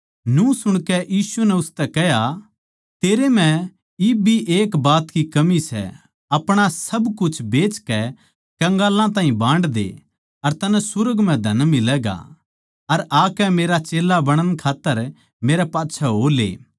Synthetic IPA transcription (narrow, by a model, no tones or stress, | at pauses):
nũsʊɽ̃kɛʔjiːsunɛʊst̪ɛkɛɦja | t̪eːɾemɛ̃ | ibʱiʔeːkbaːt̪kikɐmisɛ̰ | ɐpɽ̃asɐbkʊt͡ʃʰbeːt͡ʃkɛ | kɐ̃ŋɡaːlãt̪ãːɦĩbãːɳɖd̪ḛ | ɐɾt̪ɐnɛ̃sʊɾəɡmɛ̃d̪ʱɐnmɪlɛɡa̰ | ɐɾaːkɛmeːɾat͡ʃeːlabɐɽ̃ənkʰaːt̪ːəɾ | meːɾɛpaːtːʃʰɛɦoːlḛː